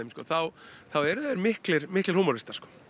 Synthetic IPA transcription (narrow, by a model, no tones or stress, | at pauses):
emskɔːθawθawɛɾðɛɾmɪhklɪɾmɪhklɪɾhuːmɔɾɪst̪aɾ̥skɔ̥ː